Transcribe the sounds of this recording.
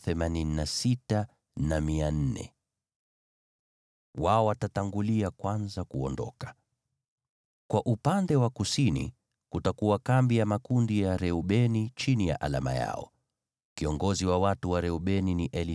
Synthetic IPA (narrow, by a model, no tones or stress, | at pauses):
θɛmanininasita | namian̩nɛ̰ | waɔwatataŋɡuliakwanzakṵɔndɔ̰kḁ | kwaʔupandɛwakusinḭ | kutakuwakambijamakundijaɾɛuɓɛnit͡ʃinija̰ʔala̰ma̰ja̰ɔ̰ | kiɔŋɡɔziwawatuwaɾɛuɓɛniniʔɛli